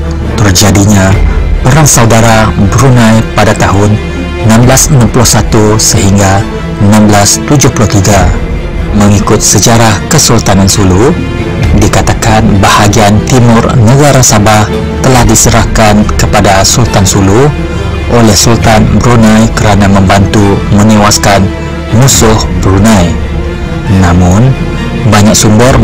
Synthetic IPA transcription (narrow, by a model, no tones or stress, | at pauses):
t̪ərd͡ʒadiɲãpəɾaŋsaudaɾabəɾunãjpadat̪aɦʊn | ənãmblasənãmpulʊhsat̪usəɦiŋɡa | ənãmblast̪ud͡ʒʊhpulʊht̪iɡa | mə̃ŋikʊt̪̚səd͡ʒaɾahkəsult̪anansulu | dikat̪akanbahaɡiant̪imʊrnəɡaɾasabah | t̪əlahdisəɾahkankəpadasult̪ansulʊ | ʔolɛhsult̪anbəɾunãjkəɾanamə̃mbant̪umə̃newaskan | musʊhbəɾunãj | nãmʊ̃n | baɲak̚sumbər